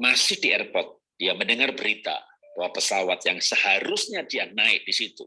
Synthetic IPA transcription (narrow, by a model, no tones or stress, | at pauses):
masɪhdiɛrpɔt̪̚ | d̥iaməndəŋarbəɾit̪a̰ | b̥awapəsawat̪̚jaŋsəhaɾʊsɲadianaɪk̚disit̪ṵ